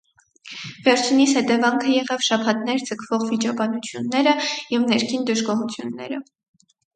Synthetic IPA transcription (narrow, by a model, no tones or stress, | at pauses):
vɛɾt͡ʃʰinishɛt̪ɛvɑŋkʰəjɛʁɑvʃɑpʰɑt̪nɛɾd͡zəkʰv̥ɔʁvit͡ʃɑbɑnut͡sʰjunːɛɾəjɛvnɛɾkʰind̪əʒɡɔɦut͡sʰjunːɛ̰ɾə